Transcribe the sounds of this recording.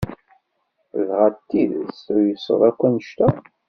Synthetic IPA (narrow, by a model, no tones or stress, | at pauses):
ðʁæt̪ːiðəsʊɾjəsə̰ðˤækʷːænəʃt̪æ